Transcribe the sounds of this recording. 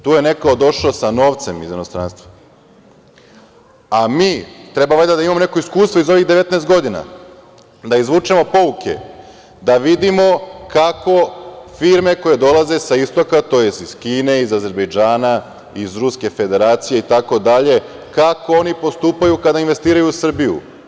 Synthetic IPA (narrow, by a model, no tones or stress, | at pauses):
t̪uːjene̞kaod̪o̞ʃosano̞ːʋt̪se̞mizinost̪ɾanst̪ʋa | amiːt̪ɾe̞bamed̪ad̪aimamo̞ne̞ko̞iskuːst̪ʋo̞izo̞ʋiɣd̪e̞ʋe̞t̪naest̪ɡo̞d̪ina̰ | d̪aizʋuːt͡ʃemo̞po̞ʋukʰe̞̰ | d̪aʋid̪imo̞kako̞fiːɾme̞ko̞je̞d̪o̞lˠaze̞saist̪okat̪o̞je̞siz̥kiːne̞izaze̞ɾbe̞jd͡ʒaːna | izɾuske̞fe̞d̪e̞ɾaːt̪sije̞it̪ako̞d̪aʎe̞ | kako̞o̞nipo̞st̪uːpajukad̪ainʋe̞st̪iːɾajuusr̩bijṵ